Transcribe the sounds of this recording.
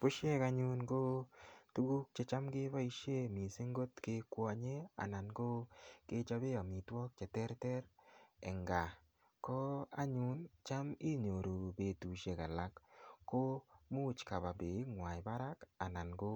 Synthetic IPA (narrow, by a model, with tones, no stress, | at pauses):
po˦ʃe˦ka˨ɲu˦nɡo˦tu˦ɡu˦k̚t͡ʃe˨t͡ʃa˦mɡɪ˦ba˦i˦ʃe˦mi˨se˦ŋɡo˦tkɪ˦kwɔ˨ɲe˦a̰˨na˨nɡo˦ke˦t͡ʃa˧be˦a˨mi˨twɔ˦k̚t͡ʃɛ˨tɛ˦ɾtɛ˦ɾɛ̰˨ŋɡa˨ | kɔ˦a̰˦ɲu˨˦nt͡ʃa˦mi˦ɲo˨ɾo˨be˨tu˨ʃe˦˨ka˨la˦kːo˦mu˦t͡ʃka˨ba˨be˨˦ŋwa˨ɪ˨ba˦ɾa˦ka˨na˨nɡo˦